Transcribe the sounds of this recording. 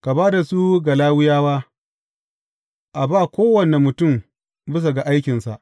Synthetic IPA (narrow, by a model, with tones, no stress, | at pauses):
ka˨baː˦da˨su˦ɡa˨laː˦wʊ˦jaː˦waː˦ | ʔa˨baː˦˨kʷoː˦wɐ˨ne˨mʊ˨tʊ˦˨m | bɪ˦s̬a˨ɡa˨ʔa˦jkʲɪ˨nsa̰˨ʔ